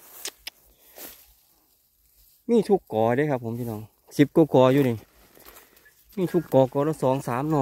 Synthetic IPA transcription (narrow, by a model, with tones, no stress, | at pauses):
miː˧˥˩t̪ʰu˧˩kːɔː˨˩ɾeː˧˦˨kʰa˧pʰːo˨˦mpʰiː˧nɔː˧˩˦ŋ | si˨˦p̚ko˧˩kɔː˨˩juː˧ni˨˧˩ | miː˧˩t̪ʰu˧˩kːɔː˨˩kɔː˨˦lɔː˧˩sɔː˨˦ŋsaː˨˦mnɔː˧˩˨